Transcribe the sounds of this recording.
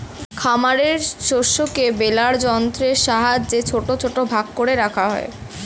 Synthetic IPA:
kʰamaɾeɾʃoʃokebelaɾd͡ʑɔnt̪ɾeʃaɦad͡ʑd͡ʑet͡ɕʰoʈot͡ɕʰoʈobʱaɡkːoɽeɾakʰaɦɔe

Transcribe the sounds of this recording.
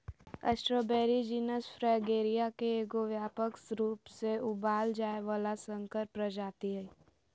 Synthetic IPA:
ə̰sʈɾoːbɛːɾid͡ʒiːnəsfɾɛːɡeːɾijakeeːɡoʋjaːpəksɾuːpseʊbaːld͡ʒaːeʋaːlasə̃ŋkəɾpɾəd͡ʒaːt̪iɦɛː

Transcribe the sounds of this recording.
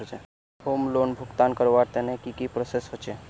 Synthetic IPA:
ot͡ʃɛ | homlonbʱukt̪ankəɾʋaɾt̪enekikipɾosesɦot͡ʃʰe

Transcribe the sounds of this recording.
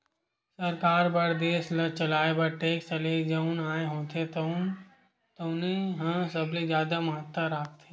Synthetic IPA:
sɐɾkaːɾbɐɾd̪eːslɐt͡ʃɐlaːebɐʈeːkst͡ʃɐled͡ʒɐʊnaːeɦoːt̪ʰet̪ | t̪oneɦãsɐbled͡ʒjaːd̪amɐɦət̪ːəɾaːk̚t̪ʰe

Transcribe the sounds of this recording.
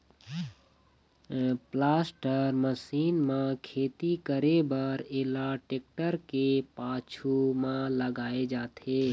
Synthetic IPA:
plaːsʈəɾməsiːnmãkʰeːt̪ikəɾebəɾelaʈeːk̚ʈəɾkepaːt͡ʃʰumãləɡaːed͡ʒaːt̪ʰeː

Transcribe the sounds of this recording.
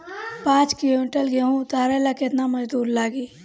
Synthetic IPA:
pãːt͡ʃkɪloːmɪʈəlɡeɦũʊt̪aːɾelakɪt̪namɐd͡ʒd̪uːɾlaːɡi

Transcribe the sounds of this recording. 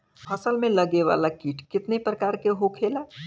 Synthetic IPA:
hɐsəlmẽləɡeʋa̰ːlakiːʈʰkɪt̪nepɾəkaːɾkeɦokʰeːlaː

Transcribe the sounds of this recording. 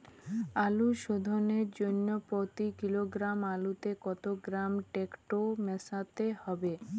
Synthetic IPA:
aluʃod̪ʱoneɾd͡ʑonːopɾot̪ikiloɡɾamalut̪ekɔt̪oɡɾamʈekʈomɛsat̪ehɔbe

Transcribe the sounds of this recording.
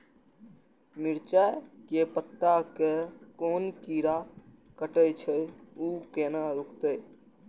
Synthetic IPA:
miɾt͡ʃakepət̪ːakekoːnkiːɾa | kəʈəjt͡ʃʰəuːkeːnaɾukt̪ə

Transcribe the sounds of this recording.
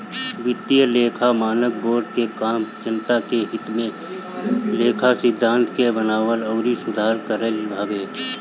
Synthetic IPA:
ʋɪt̪ijəleːkʰamaːnək̚boːɾɖkekaːmt͡ʃɪnt̪akeɦɪt̪mẽ | leːkʰasɪd̪ʱːãːnt̪kebənaːʋəlɔːɾisʊd̪ʱaːɾkəɾəlbʱaːɡeː

